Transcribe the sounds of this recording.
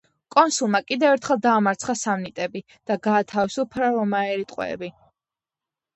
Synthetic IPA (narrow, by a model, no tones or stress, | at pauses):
kʼɔnsulˠmakʼid̪ɛvɛɾt̪ʰχɛlˠd̪aːmaɾt̪sʰχasamnit̪ʼɛbi | d̪̥aɡaːt̪ʰavisupʰɾaɾɔmaɛɾit̪ʼqʼwɛ̰ːbi